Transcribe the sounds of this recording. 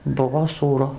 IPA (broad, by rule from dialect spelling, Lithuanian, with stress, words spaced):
ˈbʊʋoː suːˈrʊ